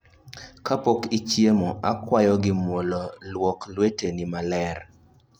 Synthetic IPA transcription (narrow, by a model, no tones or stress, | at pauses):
kapokit͡ʃjemoakwajɔɡɪmwololwɔklwetenimalɛr